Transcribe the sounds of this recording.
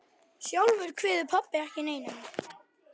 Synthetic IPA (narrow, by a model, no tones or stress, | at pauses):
sjowvʏɾkʰvɪːðʏpʰɔpːar̥cɪneːjnɪn